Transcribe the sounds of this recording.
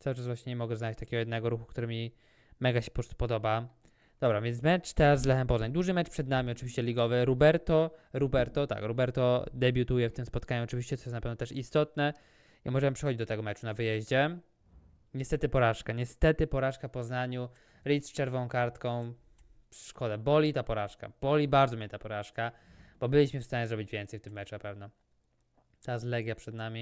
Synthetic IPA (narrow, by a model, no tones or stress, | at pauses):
t̪awɘʈ͡ʂasvwaɕɲɛɲɛmɔɡɛznat͡ɕʲt̪akʲɛɡɔjɛd̪nɛɡɔɾuxukt̪uɾɘmʲi | mɛɡaɕɛ̥pɾɔst̪u̥pɔd̪ɔba | d̪̥ɔbɾavjɛnt̪mɛt͡ʂt̪ɛɾazːlɛxɛmpɔznaɲd̪uʐɘmɛt͡ʂpʂɛd̪namʲiɔt͡ʂɘvʲiɕt͡ɕɛlʲiɡɔvɘɾubɛɾt̪ɔɾubɛɾt̪ɔt̪a̰kɾubɛɾt̪ɔd̪ɛbʲjut̪ujɛft̪ɘmspɔt̪kaɲuɔt͡ʂɨvʲiɕt͡ɕɛt̪ɔjɛsnapɛvnɛt̪ɛʂist̪ɔt̪nɛ | jamɔʐɛmpʂɛ̥xɔd͡ʑid͡ʑd̪ɔt̪ɛɡɔmɛt͡ʂunavɘjɛʑd͡ʑɛ | ɲɛst̪ɛt̪ɘpɔɾaʂkaɲɛst̪ɛt̪ɘpɔɾaʂkapɔznaɲu | ɾit̪sft͡ʂɛɾvɔ̃w̃kaɾt̪kɔ̃w̃ | ʂʂkɔd̪ɛbɔlʲit̪apɔɾaʂka̰b̥ɔlʲibaɾd̪zɔmɲɛt̪apɔɾaʂkab̥ɔbɘlʲiɕmɘfst̪aɲɛzɾɔbʲid͡ʑvʲjɛnt̪sɛjft̪ɘmːɛt͡ʂunapɛvnɛ | t̪azlɛɡjapʂɛd̪namʲi